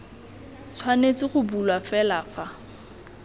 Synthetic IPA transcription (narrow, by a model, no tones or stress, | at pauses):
t͡sʰwanet͡sɪχʊbulwafɛlafa